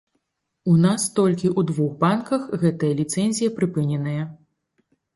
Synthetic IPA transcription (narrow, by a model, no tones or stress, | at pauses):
unast̪ɔlʲkʲiʔud̪vuxbankɐxɣɛt̪ɐjɐlʲit̪sɛnʲzʲijɐpɾɨpɨnʲɛnɐjɐ